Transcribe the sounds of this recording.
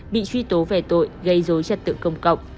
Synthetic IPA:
ɓḭ˧˨t͡ɕwi˧t̪o˨˦vɛ˧˩t̪o̰˧˨jɣə˧jzo˨˦jt͡ɕə˨˧˩t̚t̪ɨ̰˧˨kə˧wŋ͡mkə̰˧˨wŋ͡m̚

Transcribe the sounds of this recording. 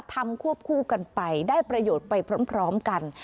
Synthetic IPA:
t̪ʰa˧mkʰu˥˩əp̚kʰuː˥˩ka˧npa˧jdaː˥˩jpɾa˧joː˨˩t̪̚pa˧jpʰɾoː˦˥mpʰɾɔː˦˥mka˧n

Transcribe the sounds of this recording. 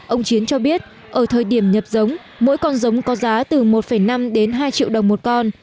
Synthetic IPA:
ʔə˧wŋ͡mt͡ɕi˨˦nt͡ɕɔ˧ɓi˦˥ət̚ | ʔəː˧˩t̪ʰəː˨˩jɗi˧˩əmɲə˨˩p̚zə˨˦wŋ͡m | mo̰˧˥jkɔ˧nzə˨˦wŋ͡mkɔ˨˦zaː˨˦t̪ɨ˨˩mo˨˩t̚fə˧˩jna˧mɗe˨˦nɦaː˧jt͡ɕḭ˧˨wɗə˨˩wŋ͡mmo˨˩t̚kɔ˧n

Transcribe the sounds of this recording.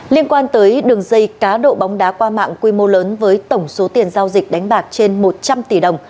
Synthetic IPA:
li˧ənkwaː˧nt̪əː˨˦jɗɨ˨˩əŋzə˧˩jkaː˨˦ɗo̰˧˨ɓa˨˦wŋ͡mɗaː˨˦kwaː˧ma̰ː˧˨ŋkwi˧mo˧ləː˨˦nvəː˨˦jt̪ə˧˩wŋ͡mso˨˦t̪i˨˩ənzaː˧wzi˨˩k̟̚ɗa˨˦jŋ̟ɓaː˨˩k̚t͡ɕe˧nmo˨˩t̚t͡ɕa˧mt̪i˧˩ɗə˨˩wŋ͡m

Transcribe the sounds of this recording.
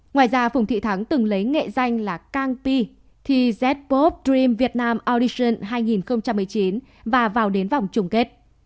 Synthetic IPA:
ŋwaː˨˩jzaː˧fʊ˨˩wŋ͡mt̪ʰḭ˧˨t̪ʰa˨˦ŋt̪ɨ˨˩ŋlə˨˦jŋḛ˧˨za˧jŋ̟laː˨˩kaː˧ŋpi˧ | t̪ʰi˨˩zɛ˦˥t̚po˦˥p̚dzi˧mvi˨˩ət̚naː˧mʔɔ˧ɗi˧sə˧˩nɦaː˧jŋi˨˩nxə˧wŋ͡mt͡ɕa˧mːɨ˨˩əjt͡ɕi˨˦n | vaː˨˩vaː˨˩wɗe˨˦nva˨˩wŋ͡mt͡ɕʊ˨˩ŋ͡mke˦˥t̚

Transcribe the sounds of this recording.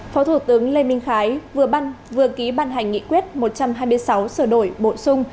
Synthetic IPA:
fɔ˨˦t̪ʰu˧˩t̪ɨ˨˦əŋle˧mï˧ŋ̟xaː˨˦jvɨ˨˩əɓa˧n | vɨ˨˩əki˨˦ɓaː˧˨nɦa˨˩jŋ̟ːḭ˧˨kwi˦˥ət̚mo˨˩t̚t͡ɕa˧mɦaː˧jmɨ˧əjsa˨˦wsəː˧˩ɗo˧˩jɓo̰˧˨sʊ˧ŋ͡m

